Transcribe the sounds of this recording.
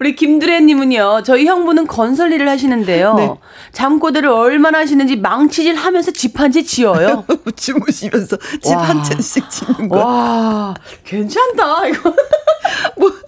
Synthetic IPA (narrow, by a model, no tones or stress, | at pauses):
kɯɾikimduɾeɲːimɯɲot͡ɕʌiçjʌŋbunɯnkʌnsʰʌʎːiɾɯɭhaɕ̬ʰinɯnde̞joe | t͡ɕamk͈odɯɾɯɾʌɭmanaɦaɕ̬ʰinɯnd͡ʑimaŋt͡ɕʰid͡ʑiɭɦamjʌnsʰʌt͡ɕipʰand͡ʑʰit͡ɕiʌjot͡ɕʰimuɕʰimjʌnsʰʌt͡ɕipʰant͡ɕʰenɕ͈ik̚t͡ɕinɯŋʌa | kwe̞nt͡ɕʰandaiɡʌ | mʌ